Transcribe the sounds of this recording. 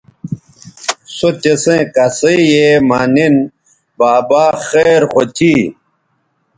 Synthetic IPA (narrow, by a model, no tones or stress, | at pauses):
sot̪esẽkasejemaːnin | baːbaːxeɾxot̪ʰi